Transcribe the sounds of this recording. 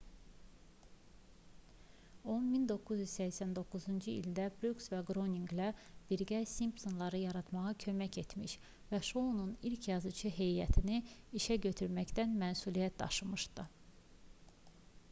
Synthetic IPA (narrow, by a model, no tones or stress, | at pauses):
onmind̪o̞kʰːuzjyz̥sæçsænd̪o̞kːuzund͡ʒɯḭlʲd̪æbɾuksvæɡɾo̞niŋɡlæb̥iɾɟæsimpt̪o̞nlˠɑɾɯjɑɾɑt̪mɑʁɑcʰø̞mæce̞t̪miʃ | væʃonunilcʰjɑzɯt͡ʃʰɯɦe̞jjæt̪ʰiniiʃæɟø̞t̪ʰyɾmæct̪ænmænsulijæt̪̚d̪ɑ̰ʃɯmɯʃd̪ɯ